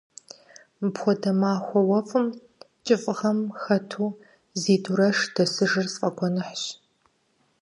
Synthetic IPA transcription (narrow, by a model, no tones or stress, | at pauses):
bxʷɔdɐmaːxʷɔwɐfʼɨm | t͡ʃʼɪfʼʁɐmxɐtʰuː | ziːduɾɐʂd̥ɐsɨʐɨrsqʼɐɡʷɔnɨħɕ